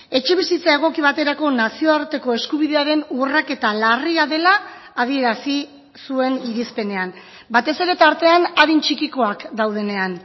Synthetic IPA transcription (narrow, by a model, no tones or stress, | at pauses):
e̞t͡ʃe̞β̞isit͡sae̞ɣ̞o̞kiβ̞at̪e̞ɾako̞nasio̞aɾt̪e̞ko̞e̞skuβ̞iðe̞aɾe̞nurake̞t̪alariaðe̞laː | ð̞ie̞ɾasi | sue̞niɾispe̞ne̞an | bat̪e̞se̞ɾe̞t̪aɾt̪e̞anaðint͡ʃikiko̞akd̪awð̞e̞ne̞an